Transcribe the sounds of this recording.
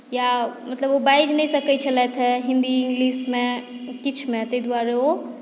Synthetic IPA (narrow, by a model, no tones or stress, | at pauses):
jamət̪ləbobaid͡ʒnɛjsəkɛt͡ʃʰəlɛt̪ʰɛɦĩnd̪iiŋɡlismẽkit͡ʃʰmet̪əid̪waɾɛo